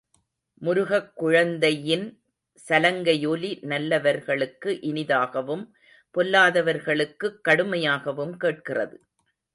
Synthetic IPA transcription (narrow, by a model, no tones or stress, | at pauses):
mʊɾʊɣɐkːʊɻɐnd̪ɐjɪn | sɐlɐŋɡɐjolinɐlːɐʋɐɾɣɐɭɯkːɯʔɪnɪðaːɣɐʋɯm | pɔlːaːðɐʋɐɾɣɐɭɯkːɯkːɐɽɯmɐjaːɣɐʋɯmkeːʈ̚kɪrɐ̰ðɯ